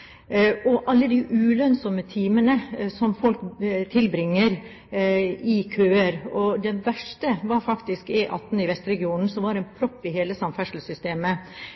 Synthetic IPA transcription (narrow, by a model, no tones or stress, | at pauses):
ʔɔʔɑlːəd̪ɪʔʉːlœnsɔmət̪ʰiːmənəsɔmfɔlkt̪ʰɪlbɾɪŋːəɾ | ɪkʰøːəɾɔd̪ɛʋæʂʈəʋɑɾfɑkt̪ɪskɛʔɑt̪ːnɪʋɛst̪ɾɛɡɪuːnn̩sɔmʋɑɾɛnpʰɾɔpːɪɦeːləsɑmfæʂl̩sʏst̪eːmə